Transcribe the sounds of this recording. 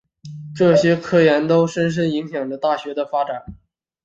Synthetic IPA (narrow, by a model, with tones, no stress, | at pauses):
ʈ͡ʂɤ˥˩ɕjɛ˥kʰɤ˥˩jɛ˧˥nt̪o˥ʊʂə˥nʂ̬ə˥ni˧˥ŋɕjɑ˨˩ŋlə˦t̪a˥˩ɕɥɛ˧˥d̪ə˧fa˥ʈ͡ʂa˨˩˦n